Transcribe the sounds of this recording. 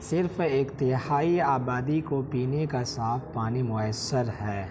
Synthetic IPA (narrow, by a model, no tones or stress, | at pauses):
sɪɾfeːkt̪ehaːiaːbaːd̪ikopiːnekasaːfpaːnimʊəsːəɾɦɛː